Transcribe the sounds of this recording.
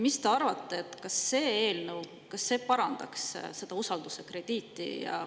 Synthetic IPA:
mist̪e̞ɑrvɑt̪ˑːeet̪ːˑkɑsːe̞ːeːlnəw | kɑsːe̞ːpɑɾɑnd̪̥ɑksse̞d̪̥ɑusɑld̪̥use̞kre̞d̪̥iːt̪ːˑḭjɑ̰

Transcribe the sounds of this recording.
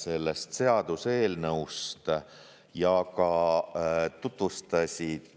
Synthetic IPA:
se̞lːe̞st̪se̞ɑd̪̥use̞ːlnɤust̪ | jɑkɑ | t̪ut̪vust̪ɑsʲid̪̥

